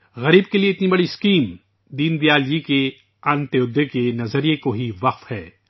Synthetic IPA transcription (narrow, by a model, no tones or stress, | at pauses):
ɣɐɾiːb̚kelieɪt̪nibɐɽiɪskiːm | d̪iːnd̪ijaːld͡ʒike | aːnt̪eʊd̪ːekenɐzəɾijekoɦiʋɐqfhɛː